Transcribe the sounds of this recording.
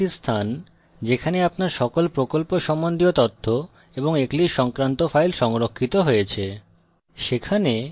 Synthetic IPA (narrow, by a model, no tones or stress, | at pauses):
ist̪ʰan | d͡ʑekʰaneapnaɾʃɔkolpɾokolpoʃɔmːond̪iot̪ɔt̪ʰːo | eboŋekliʃɔŋkɾant̪ofajlʃɔŋɾokʰːit̪oɦojet͡ɕʰe | ʃekʰane